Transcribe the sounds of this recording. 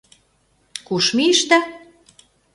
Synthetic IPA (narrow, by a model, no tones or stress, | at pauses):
kuʃmiʃt̪æ